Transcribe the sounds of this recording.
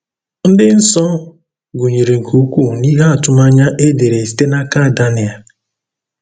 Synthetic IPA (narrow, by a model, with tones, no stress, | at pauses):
n̩˦dɪ˦n̩˦sɔ˦ | ɡu˨ɲe˨ɾe˨ŋ̩˨ku˦kʷu˦˨ni˦ɦa˦a˨tʊ˦ma˦ɲa˦ʔe˦de˨ɾe˨si̥˨te˦na˦ka˦˨da˦nɪ˨a˨